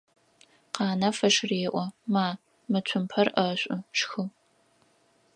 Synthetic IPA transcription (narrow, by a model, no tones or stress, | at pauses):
qɑːnɐfɐʂreːʔʷɔmaː | mɨt͡ɕʷʰʊmpʰɐrʔɐɕʷʼʊʂxɨ